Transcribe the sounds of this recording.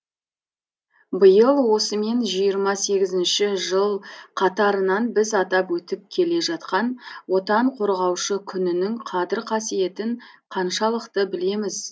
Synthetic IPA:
bəjəlˠwo̞səme̞nʒijəɾmɑse̞ɡʲɪzɪnʃɪʒəlˠqʰɑt̪ɑɾənɑnbɪzɑt̪ɑpwɵt̪ɪp̚kʲʰe̞le̞ʒɑt̪̚qɑnwo̞t̪ɑɴqʰo̞ɾʁɑwʃəkʲʰʏnɪnɪŋqʰɑd̪ɪɾqʰɑsije̞t̪ɪɴqʰɑnʃɑlˠəqt̪əbɪle̞mɪz

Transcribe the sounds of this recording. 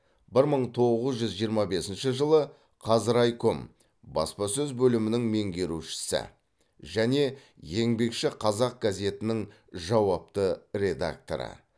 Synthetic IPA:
bɪɾməɴt̪ʰo̞ʁəzʒʏzʒijəɾmɑbe̞sɪnʃɪʒəlˠə | qʰɑzɪɾɑjkʊm | bɑ̰spɑsɵzbɵlɪmɪnɪŋme̞ŋɡʲe̞ɾuʃɪ̥sɪ̰ | ʒæne̞je̞ŋbe̞kʃɪqʰɑzɑq̚ɡ̥aze̞t̪ɪnɪŋ | ʒɑwɑp̚t̪əɾe̞d̪a̰k̚t̪o̰ɾə̰

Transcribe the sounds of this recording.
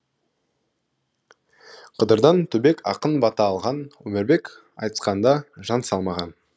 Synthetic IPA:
qʰəd̪əɾd̪ɑnt̪ʰɵbe̞kʰɑqənbɑt̪ɑːlˠʁɑnwɵmɪɾbe̞k | ɑ̰jt̪ə̥sqɑnd̪ɑʒɑnsɑlˠmɑʁɑn

